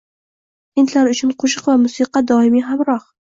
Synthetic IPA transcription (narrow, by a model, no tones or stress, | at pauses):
ʔɪnt̪ʰlaɾʊt͡ʃʰɪnqʰʊʃ̬ɨqvamʊsiːqɑd̪ɒːʔɪmiɦamɾɑh